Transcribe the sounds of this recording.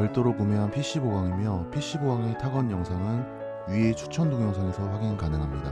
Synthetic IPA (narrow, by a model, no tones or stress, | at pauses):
ʌɭt͈oɾok͈umeɦanpʰiɕ͈iboɡaŋimjʌpʰiɕ͈iboɡaŋe̞tʰaɡʌnjʌŋsʰaŋɯn | ɥie̞t͡ɕʰu̥t͡ɕʰʌndoŋjʌŋsʰaŋe̞sʰʌɸwaɡinkanɯŋɦamɲida